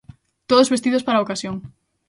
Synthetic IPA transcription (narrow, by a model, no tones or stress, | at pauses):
t̪oðozβest̪iðospaɾaokasjoŋ